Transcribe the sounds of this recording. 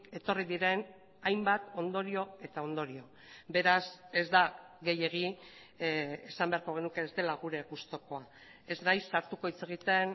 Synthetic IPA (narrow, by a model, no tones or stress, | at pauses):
ke̞t̪o̞riðiɾe̞n | ajmbat̪o̞nd̪o̞ɾio̞e̞t̪ao̞nd̪o̞ɾio̞ | be̞ɾase̞zd̪aɣe̞je̞ɣ̞i | esambe̞aɾko̞ɣe̞nuke̞ːzd̪e̞laɣ̞uɾe̞ɣust̪o̞ko̞a | e̞znajsːaɾt̪uko̞it͡se̞ɣ̞it̪e̞n